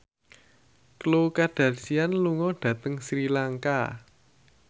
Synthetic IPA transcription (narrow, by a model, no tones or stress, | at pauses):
klokad̥a̤rsianluŋɔɖ̥ä̤t̪əŋsɾilaŋka